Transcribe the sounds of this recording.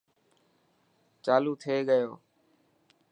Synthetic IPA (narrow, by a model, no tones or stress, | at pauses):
t͡ʃaːluːt̪ʰeːɠəjoː